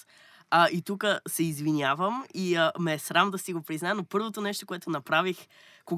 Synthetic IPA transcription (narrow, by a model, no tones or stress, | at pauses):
əʔit̪ukəsɛizvinʲjavəmiəmɛːsɾamd̪ɐsiɡopɾiznaɛnopɤɾvot̪onɛʃt̪o̥koɛt̪onɐpɾavix | ko